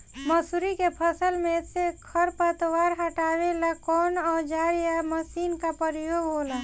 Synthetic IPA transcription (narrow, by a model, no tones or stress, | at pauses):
məsuɾikepʰəsəlmẽsekʰəɾpət̪waɾɦaʈawelakɔːnɔːd͡ʒaːɾijaməsinkapəɾijoɡɦola